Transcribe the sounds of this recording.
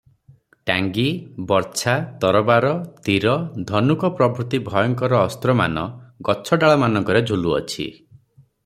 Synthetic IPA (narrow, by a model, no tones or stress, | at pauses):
ʈaŋɡibɔɾt͡ʃʰat̪ɔɾɔbaɾɔt̪iɾɔd̪ʱɔnukɔpɾɔbʱɾut̪ibʱɔjɔŋkɔɾɔːst̪ɾɔma̰nɔɡɔt͡ʃʰɔɖaɭɔmanɔ̃ŋkɔɾed͡ʒʱuluɔ̰t͡ʃʰḭ